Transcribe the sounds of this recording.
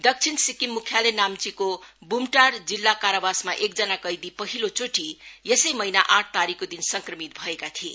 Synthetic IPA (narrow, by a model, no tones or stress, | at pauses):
d̪ʌk̚t͡sʰinsikimːukʰjalenamt͡sikobumʈard͡zilːakaɾabasmaʔek̚d͡zʌnakʌjd̪ipʌɦilot͡soʈijesʌjmʌjnaʔãʈ̚ʰt̪aɾikːod̪insʌŋkrʌmit̪̚bʱʌekat̪ʰie